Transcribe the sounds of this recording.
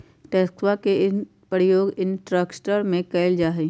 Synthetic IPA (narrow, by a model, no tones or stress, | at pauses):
ʈeːskwakeɪn | pəɾjoːɡɪnʈɾəksʈəɾmẽkɐːɪld͡ʒaːɦe